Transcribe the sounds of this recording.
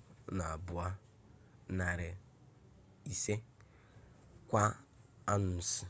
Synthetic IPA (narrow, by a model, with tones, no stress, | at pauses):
na˨bʊ˨a˦ | na˨ɾe˨ | i˨se˦ | kʷa˦ | a˦nu˨s